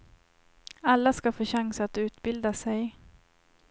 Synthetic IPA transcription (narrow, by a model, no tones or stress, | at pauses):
alːaskafoːɕaŋsat̪ʉ̟ːt̪bɪld̪asɛj